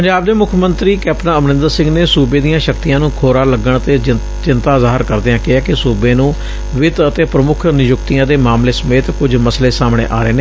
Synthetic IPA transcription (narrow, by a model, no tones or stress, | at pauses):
pəɲd͡ʒaːbd̪eːmʊkʰmənt̪ɾiːkɛːpnaːəmnɪ̃nd̪əɾsɪ̃ŋɡneːsuːbeːd̪ijãːʃəkt̪ijãːnũːkʰoːɾaːləɡːəɳt̪eː | t͡ʃɪnt̪aːzaːɦɪɾkəɾd̪eãːkɪaːkɪsuːbeːnũː | ʋɪt̪ət̪eːpɾəmʊkʰnɪjʊkt̪ɪijãːd̪eːmaːmleːsəmeːt̪kʊd͡ʒməsleːsaːmɽ̃ḛːʔa̰ːɾeːneː